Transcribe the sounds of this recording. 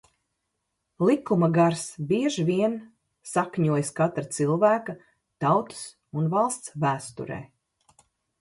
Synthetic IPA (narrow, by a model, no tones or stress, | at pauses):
lˠikːumaɡaɾsbiɛʒviɛn | sakɲuɔjskat̪ɾat̪silˠvæːka | t̪awt̪ɨ̥s | unvɑlˠst̪svæːst̪ṵɾɛ̰ː